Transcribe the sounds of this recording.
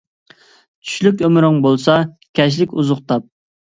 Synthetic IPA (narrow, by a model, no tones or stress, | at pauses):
t͡ʃʰy̥ʃlykʲømɾɪŋbolˠsɑ | kʲʰɛʃ̬lɪkʲuzʊqt̪ʰɑp̚